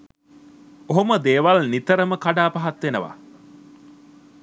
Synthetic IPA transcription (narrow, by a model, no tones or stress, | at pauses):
oɦoməd̪eːʋalnit̪əɾəməkaɖaːpaɦat̪ʋenəʋa̰